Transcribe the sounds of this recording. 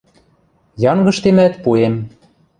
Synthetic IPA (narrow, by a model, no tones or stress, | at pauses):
jɑŋɡɤ̆ʃt̪emæt̪̚puem